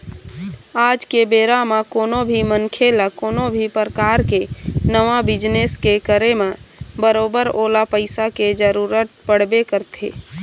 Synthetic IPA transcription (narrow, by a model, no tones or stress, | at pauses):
aːd͡ʒkebeːɾamakoːnobʱimənkʰelakoːnobʱipəɾəkaːɾkenəʋabɪd͡ʒneskekəɾemẽbəɾoːbəɾoːlapəɪsaked͡ʒəɾuːɾət̪̚pəɽ̤bekəɾt̪ʰḛː